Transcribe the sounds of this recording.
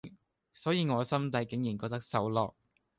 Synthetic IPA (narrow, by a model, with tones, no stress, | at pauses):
sɔː˨˥jiː˨˧ŋɔː˨˧sɐ˥mt̪ɐ˧jkɪ˨˥ŋjiː˨˩nkɔː˧k̚t̪ɐ˥k̚sɐ˨˧˥wlɔː˨k̚